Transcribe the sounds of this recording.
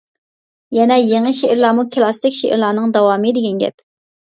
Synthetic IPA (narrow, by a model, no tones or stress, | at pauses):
jɛnɛjeŋəʃeʔɪɾlˠɑːmukʰɨlˠɑst̪ɪkʲʃeʔḭɾlˠɑːnɨŋd̪ɑwɑːmɨd̪ɪɡʲɛnɡʲɛ̰p